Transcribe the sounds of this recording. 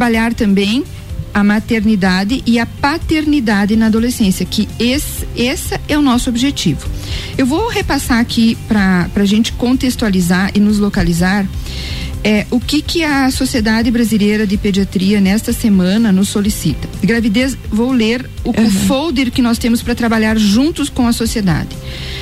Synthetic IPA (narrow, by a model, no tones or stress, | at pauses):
ɾbaʎaɾt̪ɐ̃mbẽj̃ | ɐmat̪eɾnid̪ad̪ɪʔɪɐpat̪eɾnid̪ad̪ɪnɐad̪olesẽsjɐkɪesesɐɛʊnɔsʊobɪʒet͡ʃivʊ | ewvowhepasaɾakʰipɾɐpɾɐʒẽnt͡ʃɪ̥kõt̪est̪ualizaɾʔɪnʊzlokalizaɾ | ɛʊkɪkɪɐsosied̪ad̪ɪbɾazilejɾɐd̪ɪped͡ʒiat̪ɾiɐnɛst̪ɐsemɐ̃nɐnʊsːolisit̪ɐ̥ɡɾavid̪ezvowleɾʊkaffowd̪eɾkɪnɔst̪ẽmʊspɾɐt̪ɾabaʎaɾʒũnt̪ʊskõɐsosied̪a̰d̪ɪ